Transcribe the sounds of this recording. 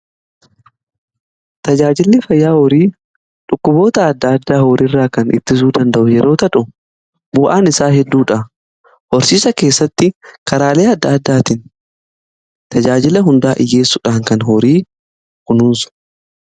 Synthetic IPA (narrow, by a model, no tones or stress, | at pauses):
t̪ɐd͡ʒaːd͡ʒɪlːɪfɐjːaːhɔɾiː | ᶑʊkːʊbo̞ːt̪ɐːd̪ːɐːd̪ːaːhoːɾɪrːaːkɐnʔɪ̰t̪ːɪs̬uːd̪ɐnd̪ɐʔʊjɛɾʔo̞ːt̪ɐᶑʊ | bʊʔaːnɪsaːɦɛd̪ːuːᶑɐ | hɔɾsiːsɐke̞ːsːɐt̪ːɪkɐɾaːle̞ːɐd̪ːɐːd̪ːaːt̪ɪn | t̪ɐd͡ʒaːd͡ʒɪlɐɦʊnd̪aːʔɪ̰je̞ːsːʊᶑaːŋkɐnɦɔɾiː | kʊnunsʊ̥